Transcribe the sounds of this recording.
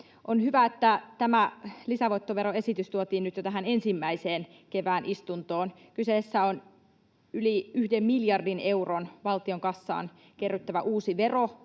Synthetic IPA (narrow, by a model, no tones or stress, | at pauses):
ʔonhyʋæet̪ːæt̪æmælisæʋoit̪ːoʋeɾoe̞sit̪yst̪uot̪iːnnyt̪jot̪æɦænensimːæiseːnkeʋæːnʔist̪unt̪oːnkyseːˑsːæon | yliyhdemmiljɑrdine̞uronʋɑlt̪ioŋkɑsːɑ̰ːn | kerːyt̪ːæʋæʔuːsiʋero